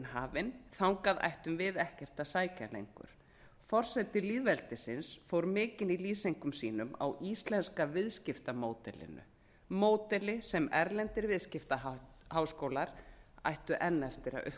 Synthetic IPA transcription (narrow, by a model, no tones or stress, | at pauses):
nhaːvɪnθawŋkaða̰jht̪ʏmvɪðɛhcɛr̥t̪asaːjcalḛjŋkʏ̰ɾ̥ | fɔr̥sɛt̪ɪliːðvɛlt̪ɪsɪnsfowɾmɪːcɪniliːsejŋkʏmsiːnʏma̰wʔist̪lɛnskavɪðscɪft̪amoːwt̪ɛlɪ̰nʏ̰ | moːwt̪ɛlɪsɛmɛɾlɛnt̪ɪɾvɪðscɪft̪a | hawskowlaɾ̥a̰jht̪ʏʔɛnːɛft̪ɪɾa̰ʔʏ